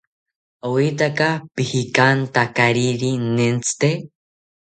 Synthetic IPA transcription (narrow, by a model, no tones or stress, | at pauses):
owit̪akapihikant̪akaɾiɾinent͡sʰɨ̥t̪e